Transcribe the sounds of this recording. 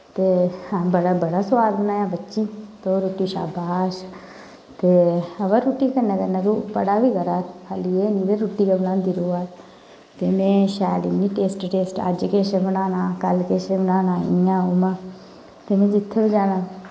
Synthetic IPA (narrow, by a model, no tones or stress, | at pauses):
t̪eːbəɽabəɽaːsəʋaːlbənaːjãːbətːʃiːt̪oɾoːʈiːʃa̰ːbaːʃ | t̪eːəʋəɾuːʈːiːkənaːkəɾnãːt̪oːbəɽaːbiːɡəɾaːkʰaːliːeːniːd̪eɾuːʈiːkəbənãːnd̪iːɾoːaː | t̪eːmɛ̃ːʃɛːliːnĩːʈeːsʈʈeːsʈə̰d͡ʒkeːʃebənaːnaːkəlkeːʃebənaːnaːɪ̰ãːoːmãː | t̪eːmɛ̃ːd͡ʒɪt̪ʰːeːbid͡ʒaːnaː